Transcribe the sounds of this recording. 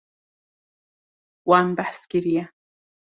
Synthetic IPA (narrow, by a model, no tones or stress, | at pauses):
wambaħskiɾija